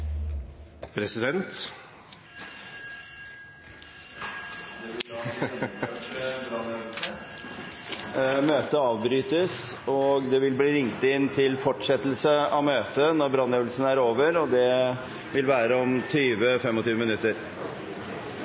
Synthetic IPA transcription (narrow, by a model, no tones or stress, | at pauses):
pʰɾɛsɪd̪ɛnt̪ | møːt̪əɑːʋbɾyːt̪əsɔɡd̪ɛʋɪlbliːɾɪŋt̪ɪnt̪ʰɪlfɔʈʂɛt̪lsəɑʋmøːt̪ənɔɾbɾɑnːøːʋəlsənəæːɾoːʋəɾɔd̪ɛ | ʋɪlʋæːɾəɔmt̪ʰyːʋəfɛmːɔt̪yːʋəmɪnʉt̪ːəɾ